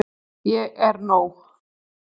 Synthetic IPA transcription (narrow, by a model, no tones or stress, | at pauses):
jɛɣɛɾnoːwx